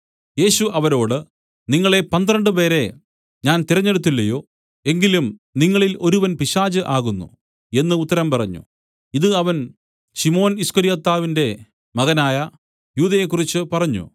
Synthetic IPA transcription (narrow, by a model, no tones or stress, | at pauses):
je̞ːɕuʔɐʋɐɾo̞ːɽɨ | niŋːɐɭe̞pɐnd̪rɐɳɖɨpe̞ːɾe̞ | ɲaːnt̪iɾɐɲːe̞ɽut̪ːilːɐjo̞ː | e̞ŋɡilumniŋːɐɭilo̞ɾuʋɐnpiɕaːd͡ʑɨʔaːɣunːṵ | e̞nːɨut̪ːɐɾɐmpɐrɐɲːṵ | iðɨɐʋɐn | ɕimo̞ːniskɐɾijɐt̪ːaːʋinde̞ | mɐɣɐnaːjɐ | juːðɐjekːurit͡ɕːɨpɐrɐɲːṵ